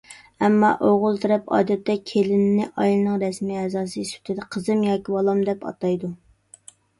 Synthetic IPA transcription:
ɛmːɑ̰ʔoʁʊlˠt̪ʰɪɾɛpɑ̰ːd̪ɛt̪ʰːɛkʲʰelɪnnːɪʔɑjlˠɨnɨŋɾɛsmiɛzɑːsɨsy̥t̪ʰɪd̪ɛqʰəzɨmjɑːkʲibɑlˠɑmd̪ɛpɑ̰t̪ɑjd̪u

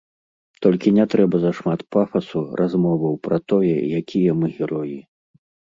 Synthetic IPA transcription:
t̪ɔlʲkʲinʲɛt̪ɾɛbɐzɐʂmat̪pafɐsurʔazmɔvɐwpɾɐt̪ɔjɛ̰jakʲʰijɐmɨɣʲɛɾɔji

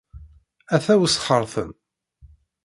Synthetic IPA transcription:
æθæwəsχəɾˤθə̰n

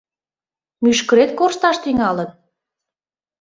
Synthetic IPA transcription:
myʃkə̆ɾet̪̚korʃt̪ɑʃt̪iŋɑlən

